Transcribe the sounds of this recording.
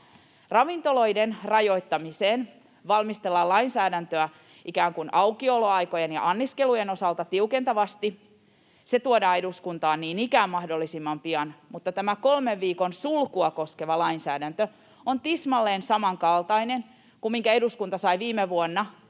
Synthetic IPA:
rɑʋint̪oloidenrɑjo̞it̪ːɑmiseːn | ʋɑlmist̪elːɑlɑinsæːdænt̪øæ | ʔikæːŋkunʔɑukioloɑikojenjɑ̰ʔɑnːiskelujenosɑlt̪ɑt̪iukent̪ɑʋɑst̪i | set̪uodɑːeɾuskunt̪ɑːnniːnikæːmmɑhdolːisimːɑmpiɑnmut̪ːɑt̪æmækolmeʋʋiːkonsulkuɑkoskeʋɑlɑinsæːdænt̪ø | ont̪ismɑlːeːnsɑmɑŋkɑlt̪ɑinen | kummiŋkæeduskunt̪ɑsɑiʋiːmeʋuonːɑ

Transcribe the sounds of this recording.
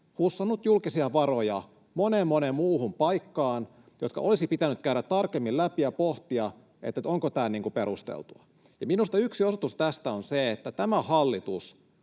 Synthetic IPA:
husːɑnːut̪julkisiɑʋɑrojɑ | monemːonemmuːhumpɑikːɑːn | jot̪̚kɑ̰ʔolisipit̪ænyt̪̚kæyɾæt̪t̪ːɑrkemːillæpiɑpoht̪iɑ | ḛt̪ːæt̪oŋkot̪æːlniːŋkupeɾust̪ḛlt̪uɑ | jɑminust̪ɑyksiosot̪ust̪æst̪æonseːt̪ːæt̪æmæhɑlːit̪us

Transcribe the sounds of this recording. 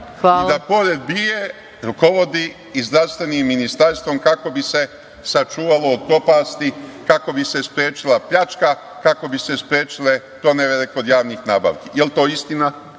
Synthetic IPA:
aild̪apo̞ɾe̞d̪̚bije | ɾuko̞ʋo̞d̪iː | zd̪ɾaʋst̪ʋe̞niːmːinist̪aɾst̪ʋo̞mkako̞bise̞ | sat͡ʃuːʋalo̞ːd̪̚ko̞paːst̪ikako̞bise̞spɾjeːt͡ʃilˠapʎat͡ʃka | kako̞bise̞spɾje̞ːt͡ʃile̞ | t̪o̞neʋelekod̪jaːʋnixnaːba̰ʋkijelt̪o̞ːist̪ina

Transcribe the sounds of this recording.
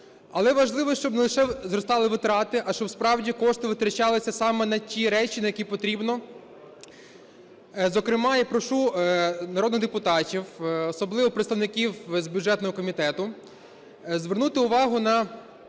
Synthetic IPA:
ɐlˠɛʋɐʒlˠɪʋɔʃt͡ʃɔbnelˠɪʃɛzɾɔst̪ɑlˠɪʋɪt̪ɾɑt̪ɪʔɐʃt͡ʃɔwspɾɑwdʲikɔʃt̪ɪʋɪt̪ɾɐt͡ʃɑlˠɪsʲɐsɑmɛnɐtʲiɾɛt͡ʃʲinɐjɐkʲipɔt̪ɾʲibnɔ | zɔkɾɪmɑjapɾɔʃunɐɾoɔd̪nɪɣd̪epʊt̪ɑtʲiwɔsɔblˠɪʋɔpɾet̪st̪ɐʋnɪkʲiwzbʲjʊdʐɛt̪nɔɦɔkɔmʲit̪ɛt̪ʊ | zʋernut̪ɪʊʋɑɦʊnɐ

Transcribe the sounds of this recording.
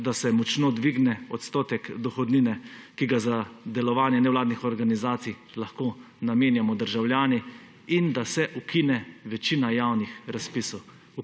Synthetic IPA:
d̪asɛmɔt͡ʃnod̪ʋiɡnɛɔt̪st̪ɔːt̪ɛkd̪ɔxɔd̪niːnɛkiɡazad̪ɛlɔʋaːnjɛnɛwlaːd̪nixɔɾɡanizaːt̪sij | laxkoː | nameːnjamɔd̪əɾʒawljaːni | ind̪asɛʔukinɛʋɛt͡ʃiːnajaːwnixɾaspisɔw

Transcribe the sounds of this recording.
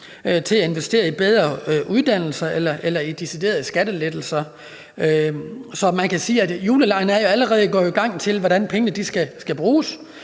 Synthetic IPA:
t͡sʰe̝læe̝nʋesd̥e̝̰ːɐib̥eð̞ˠʁɐʔuð̞ˠd̥æn̰l̩sɐʔelɐʔelɐid̥isid̥e̝̰ːɐðˠsɡ̥æd̥əled̥l̩sɐ | øsɒ̽mænkʰæsiːæd̥juːləlɑ̈ɪnəæɐjo̝æləʁɛːðˠɡ̥ɒ̰ːoiɡ̥ɑ̈ŋ̰t͡sʰe̝lʋɒɾ̥ænpʰeŋənəd̥isɡ̥æsɡ̥æb̥ʁuːs

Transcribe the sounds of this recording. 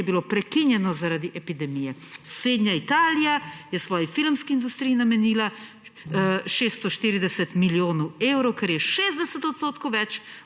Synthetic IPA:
ɛbilopɾɛkinjɛnɔzaɾad̪iʔɛpid̪ɛmijɛsɾeːd̪nɲjait̪aːlijajɛsʋɔːjifilmskiind̪ust̪ɾijːnamɛniːla | ʃest̪ɔʃt̪iːɾid̪ɛsɛt̪miljoːnɔwewɾɔwkɛɾjɛʃeːzd̪ɛsɛt̪ɔt̪st̪oːt̪kowʋɛt͡ʃ

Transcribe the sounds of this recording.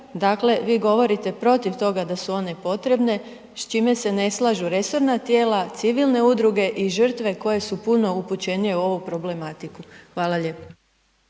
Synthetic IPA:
d̪aːkle̞ʋiːɡo̞ʋo̞ɾit̪e̞pɾo̞t̪iʋt̪o̞ɡad̪asuo̞ne̞po̞t̪ɾe̞bne̞ | st͡ʃime̞se̞ne̞slˠaːʒuɾe̞so̞ɾnat̪je̞ːlat̪siʋilˠne̞ud̪ɾuɡe̞ʔiʒ̩r̩t̪ʋe̞ko̞je̞supuno̞uput͡ɕe̞nije̞uo̞ʋupɾo̞ble̞mat̪ikuxʋaːlˠaʎe̞ːpo̥

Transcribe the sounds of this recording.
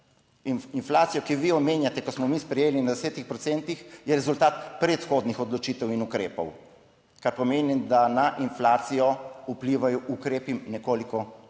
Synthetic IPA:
ininflaːt̪sijɔkiʋiɔmeːnjat̪ɛkɔsmɔmispɾɛjeːlinad̪ɛseːt̪ixpɾɔt̪sɛnt̪ixjɛɾɛzult̪aːt̪pɾɛt̪xod̪nixɔd̪lɔt͡ʃiːt̪ɛwinukɾeːpɔw | kaɾpɔmeːnid̪anaʔinflaːt̪sijɔupliːʋajɔʔukɾeːpinɛkoːlikɔ

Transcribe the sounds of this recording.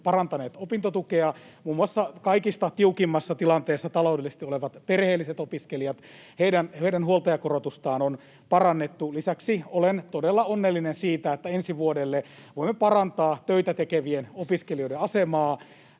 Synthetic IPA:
pɑrɑnt̪ɑneːt̪opint̪ot̪ukeɑ | muːmuɑsːɑkɑikist̪ɑt̪iukimːɑsːɑt̪ilɑnt̪eːsːɑt̪ɑloudelːise̥st̪ioleʋɑt̪perheːlːiset̪opiskelijɑt̪ | heidænheidænhuolt̪ɑjɑkorot̪ust̪ɑːnon | pɑrɑnːet̪ːulisæksiolent̪odelːɑonːelːinensiːt̪æet̪ːæensiʋuodelːeʋoimːepɑrɑnt̪ɑːt̪øit̪æt̪ekeʋienopiskelioideɑsemɑː

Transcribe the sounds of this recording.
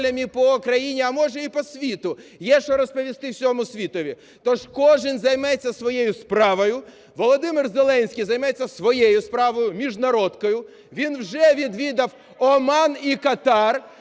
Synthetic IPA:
lʲɐmʲipɔːkɾɐjinʲiɐmɔʒɛipɔsʲʋʲit̪ʊjɛʃɔɾɔspɔʋʲist̪ɪwsʲɔmʊsʲʋʲit̪ɔʋʲi | t̪ɔʒkɔʒɪnzɐjmɛt͡sʲːɐsʋɔjejʊspɾɑʋɔjʊ | ʋɔlˠɔd̪ɪmɪrzelˠɛnʲsʲkʲijzɐjmɛt͡sʲːɐsʋɔjejʊspɾɑʋɔjʊmʲiʒnɐɾɔd̪kɔjʊ | ʋʲinwʒɛʋʲid̪ʋʲid̪ɐw | ɔmɑnikɐt̪ɑr

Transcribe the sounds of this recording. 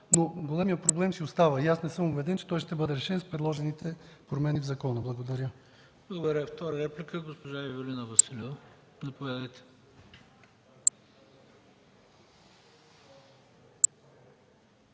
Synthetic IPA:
noɡolʲɛmiət̪̚pɾoblɛmsiost̪avəjasnɛsɤmubɛd̪ɛnt͡ʃɛ̥t̪ɔjʃt̪ɛbɤd̪ɛɾɛʃɛnspɾɛd̪lˠɔʒɛnit̪ɛpɾomɛnivzɐkɔnəblˠɐɡod̪ɐɾʲə | blˠəɡod̪ɐɾʲəft̪ɔɾəɾɛplikəɡospoʒajɐvʲolʲinəvɐsilɛvə | nɐpovʲjad̪əjt̪ɛ̥

